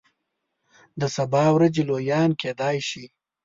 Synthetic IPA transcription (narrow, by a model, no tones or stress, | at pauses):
d̪əsabɑːwɾad͡ʒelojɑːnkeːd̪ɑːjʃi